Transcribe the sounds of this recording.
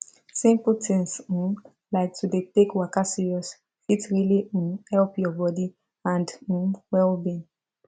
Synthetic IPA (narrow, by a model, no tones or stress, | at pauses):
sĩmpəltʰɛ̃nsũn | laɪk̚tʰudetekwakasiɹiɔs | fitɹiliũnhɛlpjɔbɔdi | ãndũwɛlbĩn